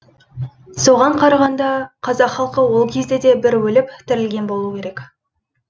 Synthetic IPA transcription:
so̞ʁɑɴqʰɑɾɑʁɑnd̪ɑqʰɑzɑqχɑlˠqəwo̞lˠkʲʰe̞zd̪e̞d̪e̞bɪɾwɵlɪpt̪ʰɪɾɪlɡʲe̞nbo̞lˠuəkʲʰe̞ɾek

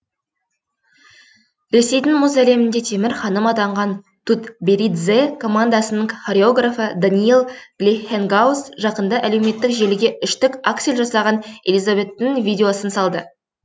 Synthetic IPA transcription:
ɾe̞se̞jd̪ɪŋmʊzæle̞mɪnd̪e̞t̪ʰe̞mɪɾχɑnəmɑt̪ɑɴʁɑn | t̪ʰut̪beɾid̪zekʰo̞mand̪asənəɴχoɾʲeoɡrafəd̪anʲiilˠɡ̥lʲexeŋɡawsʒɑqənd̪ɑʔæle̞wme̞t̪ːɪkʒe̞lɪɡʲe̞ʏʃt̪ɪkakt̪selʲʒɑsɑʁɑne̞̰lʲizave̞t̪ːɪŋvʲijd̪ʲe̞o̞sənsɑlˠd̪ə

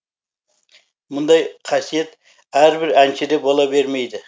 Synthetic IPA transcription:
mʊnd̪ɑjqʰɑsije̞t̪ | æɾbɪɾænʃɪd̪e̞bolˠɑbe̞ɾmejd̪ɪ

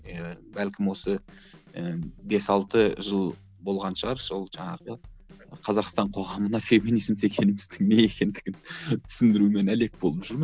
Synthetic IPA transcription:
bælkʲɪmwo̞sə | əbe̞sɑlˠt̪əʒəlˠ | bo̞lˠʁɑnʃəʁɑɾso̞lˠʒɑɴɑʁə | qʰɑzɑqst̪ɑɴqʰo̞ʁɑmənɑfe̞minijzmt̪e̞kʲʰe̞nɪmɪzd̪ɪŋnee̞kʲe̞nd̪ɪɡʲɪnt̪ʰʏ̥sɪnd̪ɪɾume̞næle̞k̚b̥o̞lˠəpʒʏɾmə

